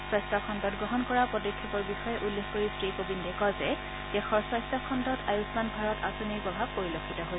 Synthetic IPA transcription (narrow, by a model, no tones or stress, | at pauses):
sɹɔstakʰɔndɔtɡɹɔɦɔnkɔɹapɔdɔkʰːikɔɹbixɔjɛʔulːexʰkoɹistɹikobindɛkɔzɛ | d̥ɛxɔsɔstakʰɔndɔtajusmanɡʱɔɹɔtasoniɹpɔbʱabpoɹilokʰːitɔɦojɛ